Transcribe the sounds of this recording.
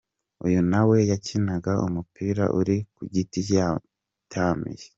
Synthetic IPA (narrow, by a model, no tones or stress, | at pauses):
ujunawe̞jacinaɡaʔṵmupiːɾa̰ʔuɾikuɟiti | taːmḭje